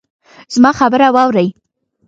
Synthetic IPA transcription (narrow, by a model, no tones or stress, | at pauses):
z̥mɑxabəɾawɑwɾəj